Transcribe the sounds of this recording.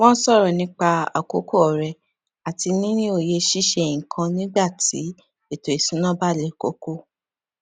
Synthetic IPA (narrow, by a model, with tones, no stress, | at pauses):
wɔ̃˦n̩˦sɔ˦˨ɾɔ˨nĩ˨˦k͡pa˧a̰˨ko̰˨˦ko˦ɔ˨ɾɛ˧ | a˨ti˧nĩ˦nĩ˦o˦˨je˧ʃi˦ʃɛ˧˨ŋi˨kʰã˧nĩ˦ɡ͡ba˦˨tḭ˨˦ | e˦˨to˨e˨sĩ˨˦nã˦ba˦˨lɛ˨˦˨ko̰˨˦ko˦˨